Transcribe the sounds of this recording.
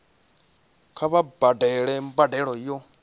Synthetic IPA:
kʰaβabadɛɺɛmbadɛɺɔjɔ

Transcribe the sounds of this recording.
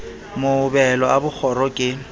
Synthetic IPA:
moʊbɛlɔabʊk͡xʰɔɾɔkʼɪ

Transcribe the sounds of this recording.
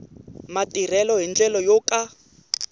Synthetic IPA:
matʼir̤ɛlɔɦind͡ɮɛlɔjokʼa

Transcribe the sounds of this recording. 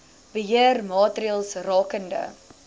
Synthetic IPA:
b̥əɦiərmɑːtɾiəlˠsrɑːkəndə̰

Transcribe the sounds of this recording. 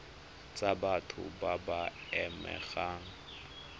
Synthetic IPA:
t͡sʼabatʰʊ̰babaɛmɛ̰ɣaːŋ̩

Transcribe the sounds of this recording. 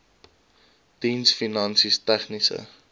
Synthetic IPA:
d̥insfinɐnsistɛχnisə̰

